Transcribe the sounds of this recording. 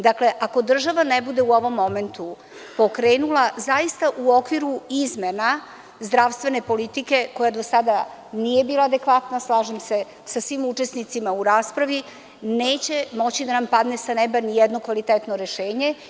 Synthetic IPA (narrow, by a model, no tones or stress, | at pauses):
d̪akle̞ʔako̞d̪r̩ʒaʋanebud̪e̞uo̞ʋo̞mːome̞nt̪u | po̞kɾeːnulazaist̪aʔuo̞kʋiɾuizmena | zd̪ɾaʋst̪ʋe̞ne̞po̞lit̪ike̞ko̞jad̪o̞sad̪a | nije̞biːlˠaːd̪ekʋat̪naslˠaːʒemse̞ | sasʋimut͡ʃesnit̪simauɾaːspɾaʋi | neːt͡ɕe̞mo̞t͡ɕid̪anampad̪nesanebanijɛd̪no̞kʋalit̪et̪noɾeʃeːɲe̞